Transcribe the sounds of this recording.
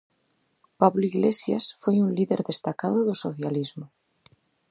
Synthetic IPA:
paβloiɣlesja̰sfwejunliðeɾðest̪akaðoðosoθjalizmo

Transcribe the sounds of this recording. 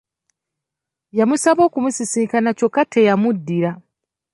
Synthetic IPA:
jamusaβo̞ːkumusisiːkanaco̞kːatʰejamudːiɾa

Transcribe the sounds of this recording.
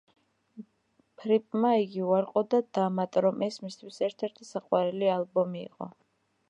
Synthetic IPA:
pʰɾipʼmaiɡiuaɾqʼɔd̪ad̪̥amat̪ʼɾɔmʔɛsmist̪ʰwisɛɾt̪ʰɛɾt̪ʰisaqʼwaɾɛlialˠbɔmḭːqʼɔ̰

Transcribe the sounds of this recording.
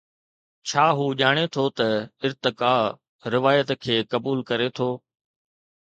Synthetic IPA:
t͡ɕʰaːɦuːʄaːɽ̃et̪ʰoːt̪ɐɪɾt̪ɪkaː | ɾɪʋaːjət̪kʰeːkɐbuːlkɐɾet̪ʰoː

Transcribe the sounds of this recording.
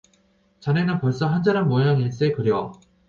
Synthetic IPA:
t͡ɕanenɯnpʌɭs͈ʌɦand͡ʑaɾanmojaŋiɭs͈ekɯɾjʌ

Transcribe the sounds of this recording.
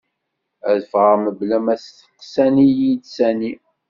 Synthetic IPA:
æðəfʁəməblæmæsθə̥t̪ːsænijid̪sæni

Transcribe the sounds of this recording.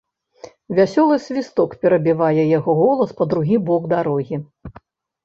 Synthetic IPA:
vʲasʲɔlˠɨsʲvʲist̪ɔkpʲɛɾɐbʲivajɛjaɣɔɣɔlˠɐspɐd̪ɾuɣʲibɔɡd̪aɾɔɣʲi

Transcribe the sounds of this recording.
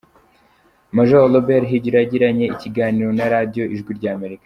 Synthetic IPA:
maʒolobeɾɦiɟiɾaɟiɾaɲe̞iciɡaːniɾo̞naɾadijo̞ʔiʒɡwiɾɟaːme̞ɾikḁ

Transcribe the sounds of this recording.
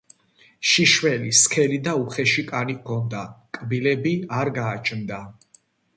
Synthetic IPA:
ʃiʃwɛliskʰɛlid̪auχɛʃikʼanikʰɔnd̪akʼbilɛbiaɾɡaːt͡ʃʼʰnd̪a

